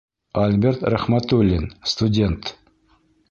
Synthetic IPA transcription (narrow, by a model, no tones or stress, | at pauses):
alʲbʲeɾt̪ɾaχmat̪ulʲinst̪ʊdʲe̞nt̪